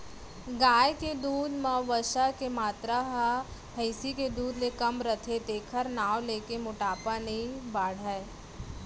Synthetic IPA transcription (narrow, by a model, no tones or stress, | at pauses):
ɡaːjked̪uːd̪mãʋəʃakemaːt̪ɾaɦabʱəɪsiked̪uːd̪lekɐmɾət̪ʰet̪eːkʰəɾnaːwleːkemʊʈaːpanɐĩbaːɽ̤ae